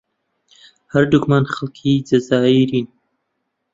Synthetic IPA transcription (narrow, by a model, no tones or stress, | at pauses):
hɐɾd̪ukmaːnxɐlkʰiːd͡ʒɐzaːiɾiːn